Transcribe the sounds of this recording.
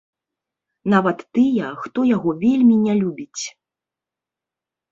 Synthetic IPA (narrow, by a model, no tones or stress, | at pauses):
navɐt̪ːɨjɐxt̪ɔjaɣɔvʲelʲmʲinʲalʲubʲit͡sʲ